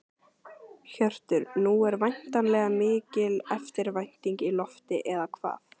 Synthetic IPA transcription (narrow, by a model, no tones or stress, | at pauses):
çœr̥t̪ʏɾnuɛɾvajn̥t̪anlɛːɣamɪːcɪlɛft̪ɪɾvajn̥t̪iŋcilɔft̪ɪʔɛðakʰva̰ːθ